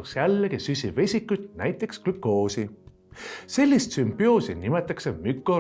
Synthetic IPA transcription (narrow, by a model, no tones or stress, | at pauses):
sjælːekisysʲive̞sʲikːˑujt̪næjt̪ːˑe̞ksklykːˑo̞ːsi | se̞lʲːist̪sympˑio̞ːsinimet̪ːˑɑkse̞mykːˑo